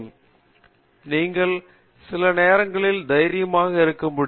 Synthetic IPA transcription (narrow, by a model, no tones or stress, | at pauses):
m | niːŋɡɐɭ | sɪlɐneːɾɐŋɡɐɭɪld̪ɐjɾɪjɐmaːɣɐɪɾɯkːɐmʊɽ